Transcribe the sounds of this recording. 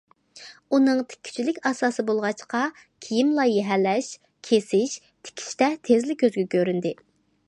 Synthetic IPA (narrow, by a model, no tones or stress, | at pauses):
unɨŋt̪ʰɪ̥kʲʰːy̥t͡ʃʰylɪkʲɑsɑːsɨbolˠʁɑt͡ʃqɑ | kʲʰijimlˠɑjɛɦɛlːɛʃ | kʲʰesɪʃ | t̪ʰɪ̥kʲʰi̥ʃt̪ɛt̪ʰezlɪk̚ʲːʰøzɡʲɛkʲʰøɾynd̪ɪ